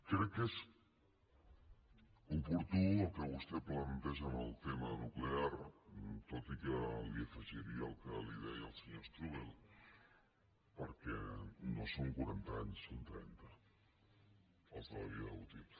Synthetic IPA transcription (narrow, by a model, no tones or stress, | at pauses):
kɾɛkːez | upuɾt̪uəlˠkəβust̪ɛplənt̪ɛʒəməlˠt̪emənukleaɾt̪ot̪ikəliəfəʒiɾiəːlˠkəliðɛjəlˠsəɲost̪ɾuβelˠ | pəɾkɛ̰nosoŋkuɾant̪aaɲsːont̪ɾɛ̰nt̪ə | əlˠkəl̰βiut̪il